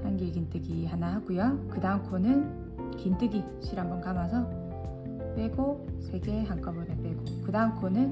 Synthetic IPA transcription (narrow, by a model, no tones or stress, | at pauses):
hanɡiɭɡint͈ɯɡiɦanaɦaɡujokɯdaɯmkʰonɯn | kint͈ɯɡi | ɕʰiɾambʌnkamasʰʌ | p͈we̞ɡosʰe̞ɡe̞ɦaŋk͈ʌbʌɾep͈e̞ɡ̥okɯdaɯmkʰonɯn